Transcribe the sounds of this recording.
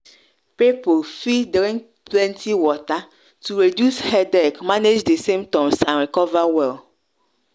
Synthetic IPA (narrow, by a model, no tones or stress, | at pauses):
pepolfidɾĩŋ | plɛ̃ntʰiwɔta | tuɾedjushɛdɛkmaned͡ʒdesemt̪ɔ̃msãnɾikɔvawɛl